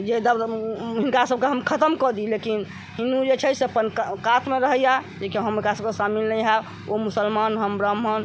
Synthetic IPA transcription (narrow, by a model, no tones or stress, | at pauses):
d͡ʒed̪əbɦinkasəb̚keɦəmkʰət̪əmkɔd̪ilekin | ɦind̪ud͡ʒet͡ʃʰɛseəpənkkat̪meɾəɦəjad͡ʒekeɦəmkasəbkesamilːəɦa | ʔomusəlmanɦəmbɾəmɦən